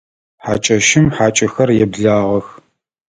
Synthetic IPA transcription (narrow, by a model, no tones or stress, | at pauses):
ħa̰ːt͡ʃʼɐʃɪmħaːt͡ʃʼɐxɐrjɛbɮaːʁɐx